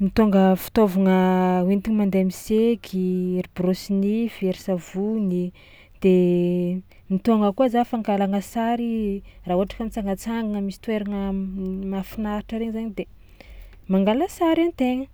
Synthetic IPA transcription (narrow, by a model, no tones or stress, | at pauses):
mit̪oŋɡəfi̥t̪ovaŋəwent̪iŋimand̪emisekʰieɾibrosinifeɾisavuni | d̪̥e | mit̪oŋɡəkuəzafaŋɡalaŋəsaɾiraɦuaʈ͡ʂə̥kəmit͡saŋɡət͡saŋɡaŋəmisi̥t̪weɾaŋəmafinaɾiʈ͡ʂəɾeɲzaɲid̪e | maŋɡaləsaɾanit̪eŋə